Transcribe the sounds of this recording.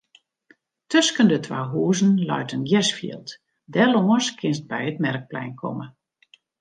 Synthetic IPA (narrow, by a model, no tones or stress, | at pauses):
tʰøskəndətʰʋaːɦuəzn̩lœ̰ɥtənɡjɛsfḭəlˠt | dɛloŋəskʰɪnst̚bɛjətmɛrk̚plɛ̰jnkʰɔ̰mə